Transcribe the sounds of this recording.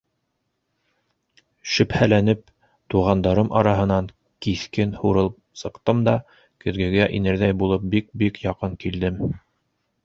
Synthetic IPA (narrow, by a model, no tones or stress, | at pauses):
ʃɵ̆phælænɘp̚ | t̪uʁɑnd̪ɑɾɤmʔɑ̰ɾɑɦɤ̆nɑŋ | kiθkɘnhuɾɤlˠ | sɤ̆qt̪ɤmd̪ɑ | kɵ̆ðɡɘ̆ɡæʔinɘ̆ɾðæjbulˠɤp̚bik̚bikjɑqɤŋkild̪ɘm